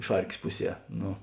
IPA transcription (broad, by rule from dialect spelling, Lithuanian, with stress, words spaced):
ˈʃɐrʲkʲeːs ˈpʊˌsʲiɛ ˈnʊ